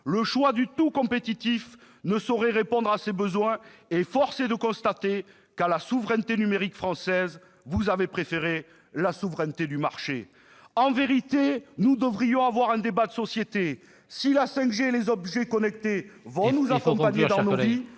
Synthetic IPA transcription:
ləʃwad̪yt̪ukɔ̃pet̪it̪if | nəsɔʁɛʁepɔ̃d̪ʁasebəzwɛ̃efɔʁsed̪əkɔ̃st̪at̪e | kalasuvʁɛnt̪enymeʁikfχɑ̃sɛz | vuzavepχefeʁe | lasuvʁɛnt̪ed̪ymaʁʃḛ | ɑ̃veʁit̪enud̪əvʁijɔ̃avwaʁɛ̃d̪ebad̪əsɔsjet̪e | silasɛ̃kʒelezɔbʒɛkɔnɛkt̪evɔ̃nuzakɔ̃paɲed̪ɑ̃novi

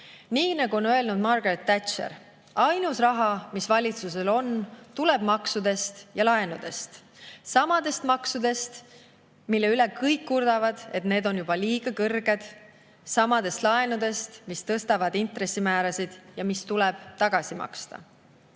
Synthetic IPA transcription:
niːnɑɡuo̞nøe̞lnud̪mɑrɡ̥ret̪ːæt̪ʃḛɾ | ɑjnusrɑɦɑmisvɑlʲit̪suse̞lo̞nt̪uleb̥mɑksud̪̥e̞st̪jɑlɑenud̪̥e̞st̪sɑmɑd̪̥e̞st̪mɑksud̪̥e̞st̪ | milːe̞yle̞kɤjkːurd̪̥ɑvɑd̪̥e̞t̪ne̞ːd̪o̞njub̥ɑliːɡ̥ɑkɤrɡ̥e̞d̪̥ | sɑmɑd̪̥e̞st̪lɑenud̪̥e̞st̪mist̪ɤst̪ɑvɑd̪̥int̪ɾe̞sːimæːɾɑsid̪̥jɑmist̪ulɛb̥t̪ɑɡ̥ɑsimɑ̰kst̪ɑ̰

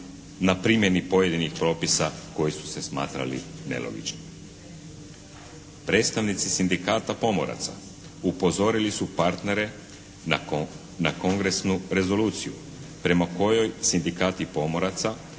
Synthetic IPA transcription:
napɾimje̞nipo̞je̞d̪inixpɾo̞ːpisako̞jisu̥se̞sma̰ːt̪ɾa̰lḭne̞̰lo̰ɡḭt͡ʃno | pɾe̞ːt̪st̪aʋnit̪sisind̪ikaːt̪apo̞mo̰ɾa̰t̪sa̰ | upo̞zo̞ɾilisupaɾt̪ne̞ɾe̞ | nako̞ŋɡɾe̞snuɾe̞zo̞luːt̪siju | pɾe̞mako̞jo̞jsind̪ikaːt̪ipo̞mo̞ɾat̪sa

